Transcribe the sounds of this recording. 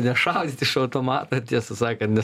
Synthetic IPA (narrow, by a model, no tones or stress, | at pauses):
nʲɛʃɑʊd̪ʲiːt̪ʲɪʃɐʊt̪oːmɑːt̪ɐt̪ʲiɛsɐsɑːkɐt̪nʲɛ